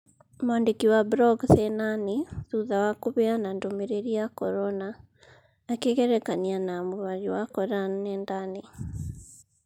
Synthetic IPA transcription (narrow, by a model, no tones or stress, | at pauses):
mwandekiwabɾɔɡθɛnaniðuðawakuβɛanandomeɾeɾiakɔɾɔnaː | keɣɛɾɛkanianamuɾwaɾiwakɔɾanːɛndane